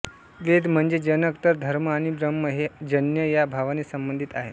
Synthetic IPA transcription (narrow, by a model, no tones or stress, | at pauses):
ʋed̪m̤əɳd͡zed͡ʑənəkt̪əɾd̪ʱəɾməaɽ̃ibɾəmːəɦed͡ʑənjəjabʱaʋanisəmbənd̪ʱit̪aɦḛ